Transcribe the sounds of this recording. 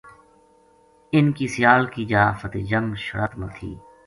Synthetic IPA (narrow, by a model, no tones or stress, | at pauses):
ɪnkiːsɪjaːlkid͡ʒaːfət̪eːd͡ʒəmʃəɾət̪mət̪ʰḭː